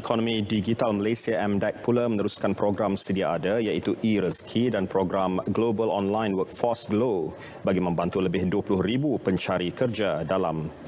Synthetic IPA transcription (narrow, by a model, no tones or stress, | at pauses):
ikʰɔnɔ̃mĩdiɡit̪alməlesiaʔɛmdɛk̚pulamə̃nəɾuskanpɾoɡɾamsədiaʔadajait̪uʔiɾəskʰidanpɾoɡɾamɡlobəlɔnlãjnwək̚fɔsɡlo | baɡimə̃mbant̪uləbɪhduəpulʊhɾibupəɲt͡ʃaɾikərd͡ʒadala̰m